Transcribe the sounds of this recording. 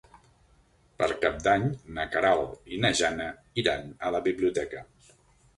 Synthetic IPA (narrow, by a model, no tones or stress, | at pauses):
pəɾkap̚d̪aɲnəkaɾalˠinəʒanə | iɾanələβiβliut̪ɛkə